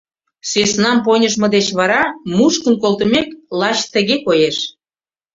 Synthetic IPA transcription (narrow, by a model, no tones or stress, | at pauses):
sesnɑmponʲəʃ̬mɤ̆d̪et͡ɕβɑɾɑmuʃkənkolˠt̪ə̆meklɑt͡ɕt̪ə̆ɣekojeʃ